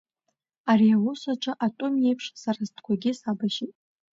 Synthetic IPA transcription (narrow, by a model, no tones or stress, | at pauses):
ariawʊsaʈ͡ʂʷʼaʔatʼomje̞jpʰʂsarazdʰkʷʰaɡʲɪsabaʃitʼ